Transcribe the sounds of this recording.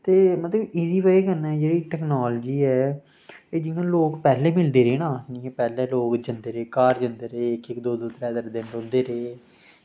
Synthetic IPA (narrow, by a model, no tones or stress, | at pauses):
t̪eːmət̪ləbɪziːʋəiːkənɛːd͡ʒeːɽiːʈɛːknaːld͡ʒiːɛː | eːd͡ʒɪŋãːloːkpɛːleːmɪld̪eːɾeːnãːnĩɛpɛːleːloːkd͡ʒənd̪eːɾeːkaːɾd͡ʒənd̪eːɾeːɪkɪkd̪oːd̪oːt̪ɾɛːd̪əɾd̪ɪnɾõːnd̪eːɾeː